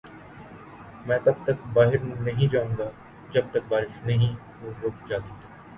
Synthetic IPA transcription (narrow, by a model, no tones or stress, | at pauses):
mɛ̃ːt̪ɐb̚t̪ɐkbaːɦɪɾnɐɦĩd͡ʒaːʊ̃ːɡaː | d͡ʒɐb̚t̪ɐk̚baːɾɪʃnɐɦĩ | mõːɾoːk̚ʰd͡ʒaːt̪iː